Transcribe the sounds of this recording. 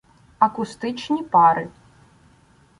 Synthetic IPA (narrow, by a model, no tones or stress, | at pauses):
ɐkust̪ɨt͡ʂnʲipaɾɨ